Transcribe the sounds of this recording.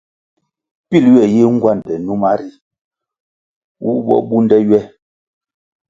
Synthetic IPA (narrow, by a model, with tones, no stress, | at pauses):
pi˦lɥɛ˦˨je˦ŋ̩˦ɡwa˦˨n˨dɛ˨nu˦ma˦ɾi˦ | wu˦bɔ̰˦ɓu˦n˦dɛ˦jɥɛ˦